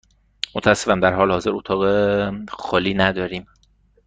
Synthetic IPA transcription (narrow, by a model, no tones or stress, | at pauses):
mot̪ʰææsːefænd̪æɾɦɒːlehɒːze̞ɾot̪ʰɒːɣexɒːliːnæd̪ɒːɾiːm